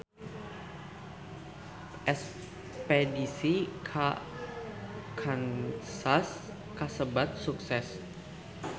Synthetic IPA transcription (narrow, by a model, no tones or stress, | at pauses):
ʔɛs | pedisikʰa | kʰansas | kasəbat̪̚suksɛs